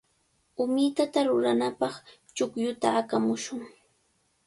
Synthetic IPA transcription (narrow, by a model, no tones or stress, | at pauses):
ʊmɪt̪at̪aɾʊɾanapɑχ | t͡ʃʊkjʊt̪aːkamʊʃʊŋ